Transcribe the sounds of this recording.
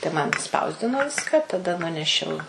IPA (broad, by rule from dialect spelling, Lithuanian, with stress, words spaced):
tɐɪ ˈmɐn ɪʃˈspɐʊzʲdʲɪnoː ˈʋʲɪskɐ ˈtɑːdɐ ˈnʊnʲɛʃʲɛʊ